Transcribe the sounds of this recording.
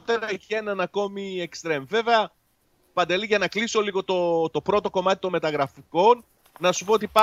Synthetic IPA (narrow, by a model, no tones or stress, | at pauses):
t̪eɾɐeçe̞nɐnɐko̞miekst̪ɾe̞mve̞veɐ | pɐnd̪eliʝɐnɐkliso̞liɣo̞t̪o̞t̪o̞pɾo̞t̪o̞ko̞mɐt̪i̥t̪o̞nme̞t̪ɐɣɾɐfiko̞nː | ɐsupoot̪ipɐ